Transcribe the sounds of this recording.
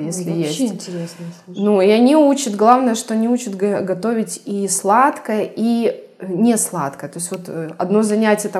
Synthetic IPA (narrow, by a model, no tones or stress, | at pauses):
jesʲlʲɪjesʲtʲɪɾʲesnuɪɐnʲiut͡ɕɪt̪ɡlˠavnəjəʂt̪o̞ɐnʲiut͡ɕɪt̪ɡɡɐt̪o̞vʲɪtʲislˠat̪kəjəʔi | nʲeslˠa̰t̪kəjət̪o̞ɪsʲvo̞t̪ɐ̰d̪nozɐnʲætʲɪjət̪a